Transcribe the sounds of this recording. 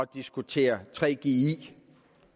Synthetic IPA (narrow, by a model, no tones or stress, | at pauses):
ɒd̥isɡ̥ut͡sʰe̝̰ːɐt͡sʰʁɛ̰ːɡ̥e̝i